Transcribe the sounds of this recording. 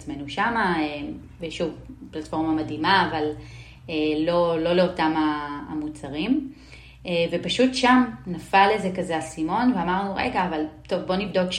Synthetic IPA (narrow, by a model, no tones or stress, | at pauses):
t͡sme̞nuʃamaem | veʃuvplatfo̞ʁmamadimaːval | eːo̞lo̞leo̞tamaːmut͡saʁim | evepaʃutʃamnafalezekazeasimo̞nveamaʁnuʁḛɡaːvalto̞vbo̞nibdo̞k